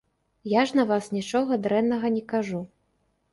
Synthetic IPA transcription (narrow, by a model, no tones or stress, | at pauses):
jaʐnɐvasnʲit͡ʂɔɣɐd̪ɾɛnːɐɣɐnʲɛkaʐu